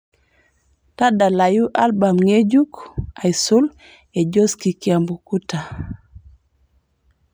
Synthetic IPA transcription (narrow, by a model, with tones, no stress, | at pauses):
ta˦da˨la˨ju˦ʔa˦lba˨mŋe˦d͡ʒu˦ka˨jsu˦l | e˨d͡ʒo˦ski˨kia˨mbu˨ku˦ta˨